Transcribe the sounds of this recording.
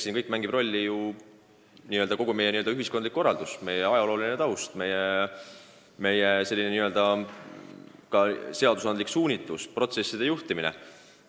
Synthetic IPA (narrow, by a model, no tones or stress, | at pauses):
sinkɤjkːˑmæŋɡib̥ro̞lʲːiju | niːøld̪ɑko̞ɡ̥ume̞jeniøld̪ɑyɦiskond̪likːo̞rːɑld̪̥usme̞jeɑjɑlo̞ːlinet̪ɑwst̪me̞je | me̞jese̞lːineniøld̪ɑ | kɑse̞ɑd̪usɑnd̪liksuːnʲit̪ːˑuspro̞t̪se̞sːid̪̥e̞juht̪iminḛ